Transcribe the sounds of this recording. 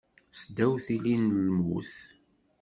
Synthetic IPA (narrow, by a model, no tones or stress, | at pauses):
sd̪æwθilinlmwṵθ